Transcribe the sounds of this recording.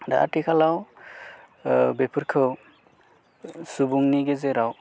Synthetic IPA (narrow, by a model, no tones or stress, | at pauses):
da̰ʔa̰ʈikʰalaw | bepʰɯɾkʰɯw | subuŋniɡezeɾaw